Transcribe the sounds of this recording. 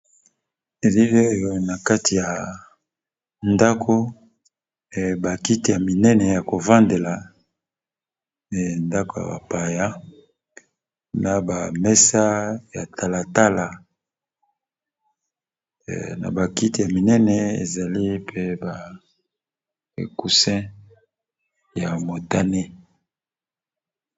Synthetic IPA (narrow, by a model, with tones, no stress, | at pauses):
e˨li˦le˦o˦jo˦na˨ka˦ti˨ja˨ | nda˦kʰo˦˨ | ba˨ki˦ti˨ja˨mi˨nɛ˦nɛ˨ja˨ko˨va˦nde˨la˨ | nda˦ko˨ja̰˨ba̰˨pa˨ja˦ | na˨ba˨mɛ˦sa˦ja˨tʰa˨la˨ta˦la˨ | na̰˨ba˨ki˦ti˨ja˨mi˨nɛ˦nɛ˨ḛ˨za˨li˦pʰe˦ba˨ | ḛ˨ku˨sɛ̃˦ | ja˨mo˨ta˦ne˦